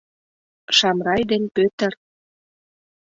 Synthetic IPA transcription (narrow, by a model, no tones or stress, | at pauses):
ʃɑmrɑjd̪enpøt̪ə̆r